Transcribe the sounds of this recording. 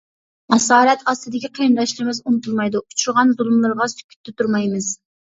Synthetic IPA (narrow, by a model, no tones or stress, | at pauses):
mɑsɑːɾɛt̪ɑst̪ɨd̪ɪkʲiqʰejnd̪ɑʃlɪɾmɪzunɨt̪ʰulˠmɑjd̪uu̥t͡ʃʰuɾʁɑnzulˠumlˠɨɾʁɑsy̥kʲʰy̥t̪ʰːɪt̪ʰuɾmɑjmɨz̥